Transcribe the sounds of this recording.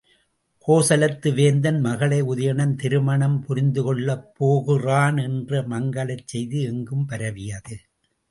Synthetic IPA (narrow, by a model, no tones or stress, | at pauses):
kʰoːsɐlɐt̪ːɯʋeːnd̪ɐnmɐɣɐɭɐɪʊðɐjɐɳɐnt̪ɪɾɯmɐɳɐmpʊɾɪnd̪ɯkɔɭːɐpːoːɣɯraːnɛndrɐmɐŋɡɐɭɐɪt͡ʃsɛjðɯɛŋɡɯmpɐɾɐʋɪjɐðɯ